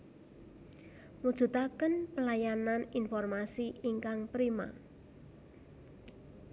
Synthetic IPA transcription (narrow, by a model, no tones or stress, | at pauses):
mud̥ʒ̥ṳt̪akənpəlajananinfɔrmasiiŋkaŋpɾima̰